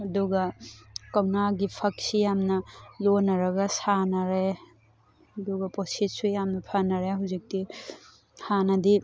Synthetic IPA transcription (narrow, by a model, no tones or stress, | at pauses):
ɐduɡɐkɐwnaɡipʰɐk̚sijamnɐlonɐɾɐɡɐsanɐɾe | ɐduɡɐposit̚sujamnɐpʰanɐɾeɦawzik̚ti | hanɐdi